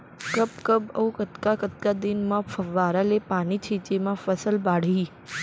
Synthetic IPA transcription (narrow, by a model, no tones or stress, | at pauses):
kəpkəbə̰ũkət̪kakət̪̚kad̪inmãfəʋaɾalepanit͡ʃʰit͡ʃemãfəsəlbaɽ̤i